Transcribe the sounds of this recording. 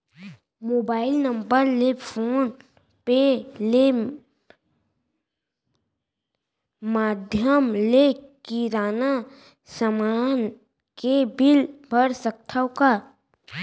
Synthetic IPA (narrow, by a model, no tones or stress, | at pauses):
moːbaːɪlnə̃mbəɾlepʰoːn | pele | maːd̪ʱjəmlekiɾaːna | səmaːn | kebɪlbʱəɾsək̚t̪ʰawka